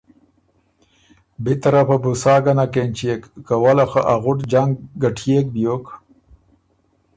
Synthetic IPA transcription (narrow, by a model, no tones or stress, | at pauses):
bit̪aɾapabusaːɡanakent͡ʃekːawalaxaʔaɣʊʈd͡ʒaŋɡɡaʈʰjek̚bjok